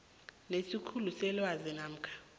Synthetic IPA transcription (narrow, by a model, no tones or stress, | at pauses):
nesikʰulusɛlwazinaːm̩kʰʼḁ